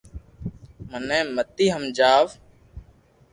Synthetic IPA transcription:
mənɛ̃ːmət̪iːɦəmd͡ʒaːʋ

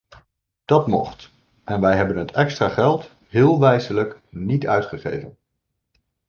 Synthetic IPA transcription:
d̥ɑtmɔ̰χt | ʔɛnʋɛjɦɛbənɦətɛkstraːχɛlˠt | ɦɪːlˠʋɛjzələknitœɥtχəχḛjvən

